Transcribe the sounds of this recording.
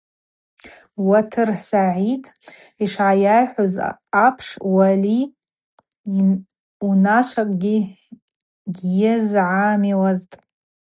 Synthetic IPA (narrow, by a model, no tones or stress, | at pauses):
watʰɨrħsaʕitʼ | iʂʕajajħʷozapʰʂwali | unaʂʷʰakʼɡʲi | ɡʲjɪzʕamiwaztʼ